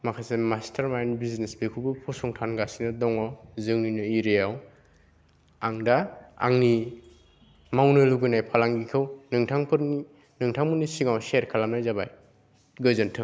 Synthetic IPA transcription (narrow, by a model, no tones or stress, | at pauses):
makʰajsemastʰaɾmajnbiznesbekʰubɯpʰɔsɔŋtʰanɡasinɯdɔŋɔwzɯŋinɯiɾejaw | aŋdaa̰ŋni | mawnɯluɡɯnajpʰalaŋɡikʰɯwnɯŋtʰaŋpʰɯɾni | nɯŋtʰaŋbɯnisiŋawseɾkʰalamnajzabaj | ɡɯzɯntʰɯŋ